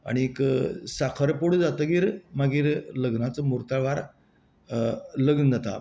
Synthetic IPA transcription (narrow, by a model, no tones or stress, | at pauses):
a̰ɽ̃ieksakʰəɾpoɽud͡zat̪əɡiːɾmaɡiːɾləɡnat͡səmuɾt̪aɭʋaɾ | ləɡnəd͡zat̪a̰